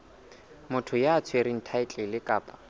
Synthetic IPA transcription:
mʊtʰʊjaːt͡sʰweɾin̩tʰaɪt͡ɬʼɛlɪkʼaːpʼḁ

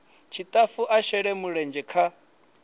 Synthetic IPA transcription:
t͡ʃʰit̪ʼafuʔaʃɛɺɛmuɺɛnd͡ʒɛkʰa

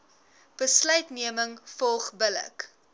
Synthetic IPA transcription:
b̥əslœɥtniəməŋfɔlˠχbələ̰k

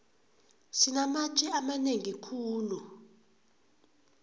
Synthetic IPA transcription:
sinamat͡ʃʼɛamaneŋikʰuːlu

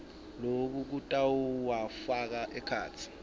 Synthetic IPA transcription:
lok̬uk̬utʼawwafak̬aʔɛkʰa̰ːt͡sʰi̥

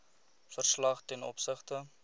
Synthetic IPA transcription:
fərslɐχtɛnɔ̰psəχtə

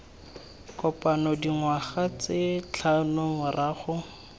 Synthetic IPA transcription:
kɔpanɔdiŋwaχat͡sɪt͡ɬʰanʊŋʊrʔaːχʊ

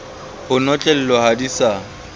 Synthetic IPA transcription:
hʊnɔt͡ɬʼɛl̩lɔhadisa

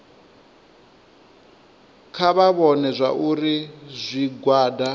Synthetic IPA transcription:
kʰaβaβɔnɛzʷaʔuɾizʷiɡwaːda

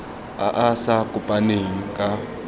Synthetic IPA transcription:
a̰ʔasakʼʊpʼaneŋ̩kʼa

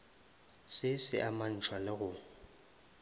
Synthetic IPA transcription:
sɪsɪ̰ʔaman̩t͡ʃʰwalɪɣʊ

